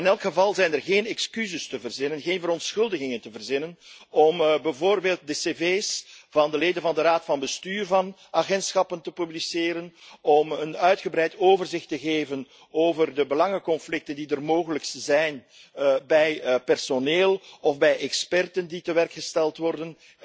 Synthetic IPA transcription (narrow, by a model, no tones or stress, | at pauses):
ɪnɛlkχəvɑlˠzɛjnərɣeːnɛkskyzəstəvərzɪnənɣeːnvəɾɔntsxɵlˠdəɣɪŋəntəvərzɪnənɔmbɛvoːrbeːlˠt̚dəseveːsvɑndəleːdənvɑndəɾaːtfɑnbəstyːrvɑn | aɣɛntsxɑpəntəpyblisɪːɾənɔmənœɥtχəbɾɛjtʰoːvərzɪxtəɣeːvən | oːvərdəbəlɑŋəkɔnflɪk̚təndidərmoːɣələkszɛjn | bɛjpɛrsoneːlˠɔfbɛjʔɛkspɛrtənditəʋɛrkxəstɛlˠtʋɔrdən